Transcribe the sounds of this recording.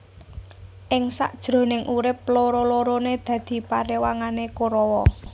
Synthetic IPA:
ʔɪŋsa̰ʔd̥ʒ̥ɾo̤nɪŋʔuɾɪp̚loɾoloɾoned̪̥ä̤d̪̥i̤paɾewaŋanekoɾɔwɔ

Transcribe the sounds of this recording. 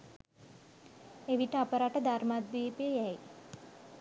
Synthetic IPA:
eʋiʈəapəɾaʈəd̪aɾmad̪̚ʋiːpejəjæj

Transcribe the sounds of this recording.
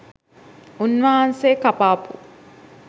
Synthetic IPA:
unʋaːɦɐnseːkapaːpṵ

